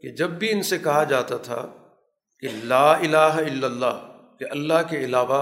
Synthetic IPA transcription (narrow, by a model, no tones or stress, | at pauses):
ked͡ʒɐbːʱiɪnsekɐɦad͡ʒaːt̪at̪ʰa̰ | kelaːɪlaːɦɪlːɐlːa̰ː | keʔɐlːaɦkeɪlaːʋa